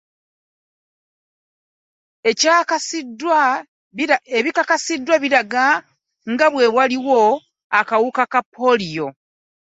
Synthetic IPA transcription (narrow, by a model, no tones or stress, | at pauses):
ecakasidwa | eβikakasidːwaβiɾaɡa | ŋɡaβwe̞βwaliwo̞ | akawukakapʰːo̞lijo̞